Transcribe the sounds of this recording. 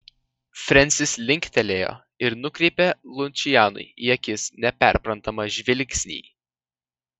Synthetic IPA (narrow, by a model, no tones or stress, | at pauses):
fʲɾʲɛnʲsʲɪslʲɪŋʲkʲt̪ʲɛlʲeːjo̰ː | ɪɾnʊkɾʲɛɪpʲelˠʊnʲt͡ʃʲɪjæːnʊ̰ɪiɛkʲɪsnʲɛpʲæ̰ˑɾʲpɾɐnt̪ɐmɐʒʲʋʲɪlʲkʲsʲnʲḭː